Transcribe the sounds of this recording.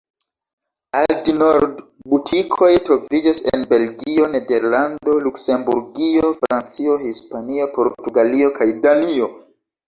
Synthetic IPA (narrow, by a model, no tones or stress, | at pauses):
altino̞ɾdbutʰikʰo̞jtɾo̞vid͡ʒasḛnbe̞lɡio̞ne̞de̞ɾlando̞lukse̞mbṵɾɡio̞fɾant͡sio̞hispanio̞po̞ɾtuɡalio̞kajdanio̞